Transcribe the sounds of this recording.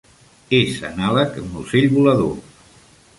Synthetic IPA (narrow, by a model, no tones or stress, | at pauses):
ezə̰naləkmuseʎβuləðo̰